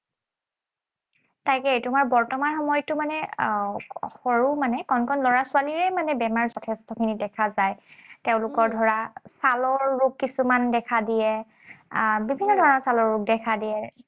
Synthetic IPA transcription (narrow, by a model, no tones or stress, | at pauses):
tajkɛtumaɹbɔɹtɔmanxɔmɔjɔtːʊmanɛ | xɔɹumanɛkɔnkʰɔnlɔɹasʊaliɹɛmanɛbɛmaɹzɔtʰɛstɔkʰinidɛkʰazajteʊ̃lʊkɔɹdʱɔɹasalɔɹːukːisumandɛkʰadijɛ | bibʱinːɔdʱɔɹɔnɔɹsalɔɹɹuk̚dɛkʰadiɛ